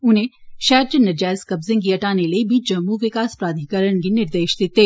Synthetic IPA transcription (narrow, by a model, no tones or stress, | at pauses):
ʊnɦẽʃɛːɾd͡ʒənɐd͡ʒɛːskɐbzɪ̃ŋɡkiɐʈaːnelebʱid͡ʒɐmːuʋɪkaːspɾaːd̪ʱikəɾəɽ̃k̬inɪɾd̪eːʃd̪ɪt̪ːeː